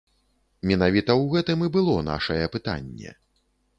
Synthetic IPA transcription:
mʲɛnavʲit̪ɐwɣɛt̪ɨmɨbɨlˠɔna̰ʂɐjɛpɨt̪a̰nʲːɛ̰

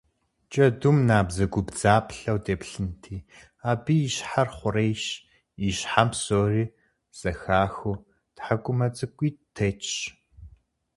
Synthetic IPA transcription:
t͡ʃʼɐdumnaːbzɐɡʷʊbd͡zaːpʰɬɐwdeːpɬɨntʰiː | aːbijiɕħarχʷʊɾejʃ | iɕħampsoːriː | z̥ɐxaːxʊ | tħakʷʼʊmɐt͡sʼɨkʷʼiːtʰet͡ʃɕ

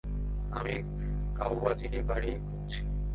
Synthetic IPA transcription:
a̰mi | kawbad͡ʑiɾebaɽiekuɾt͡ɕʰi̥

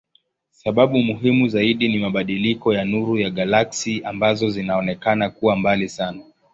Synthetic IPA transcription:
saɓaɓumuɦimuzaiɗinimaɓaɗilikɔjanuɾujaɠalaksiambazɔzinaɔnɛkanakuwambalisana

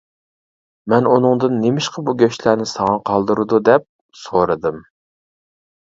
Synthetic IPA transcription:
mɛnunɨŋd̪ɨnːemɪʃqɑbuɡʲøʃlænɪsɑŋɑqʰɑlˠd̪ɨɾɨd̪ud̪ɛp̚ | soɾɨd̪ɨm

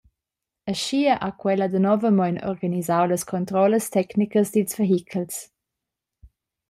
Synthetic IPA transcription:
əʃiəʔakwɛləd̪ənɔvəmɔjnɔ̰ɾɡanizawləskʰɔnt̪ɾɔləstɛknikəsd̪ilsveɦikʰəls

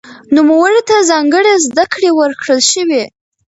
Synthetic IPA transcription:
numawaɽet̪azɑŋɡəɽezd̪akɽewəɾkɽəlʃəwe

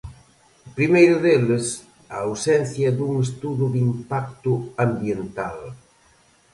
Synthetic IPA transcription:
pɾimejɾʊðeles | aːwsɛn̟θjɐd̪uŋest̪uðʊðimpak̚t̪ʊambjent̪al

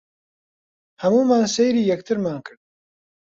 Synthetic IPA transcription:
hɐmuːmaːnsejɾiːjɛk̚t̪ʰɨɾmaːnkʰɨɾd̪̚

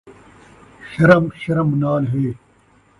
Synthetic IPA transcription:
ɕɐɾɐmɕɐɾɐmnaːlɦeː

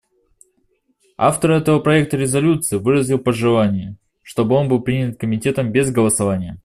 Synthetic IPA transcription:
a̰ft̪əɾɛt̪əvəpɾɐek̚t̪əɾʲɪzɐlʲut̪sɨːvɨɾəzʲilˠpəʐɨlˠanʲɪjə | ʂt̪o̞bɨo̞nbɨlˠpɾʲinʲɪt̪̚kəmʲɪtʲe̞t̪əmbʲezɡəlˠəsɐvanʲɪjə

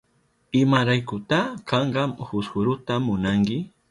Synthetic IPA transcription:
ɪmaɾajkʊt̪akɑɴɢɑmhʊsxʊɾʊt̪amːʊnaŋkɪ

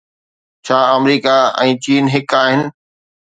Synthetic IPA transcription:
t͡ɕʰaːəmɾiːkaɛ̰̃ːt͡ɕiːnɦɪkaːɦɪnɪ̆

